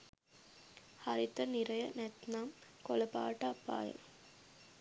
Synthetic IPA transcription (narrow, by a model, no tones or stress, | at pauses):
haɾit̪ɐniɾɐjənæt̪naːmkolɐpa̰ːʈɐːpːa̰ːjə̰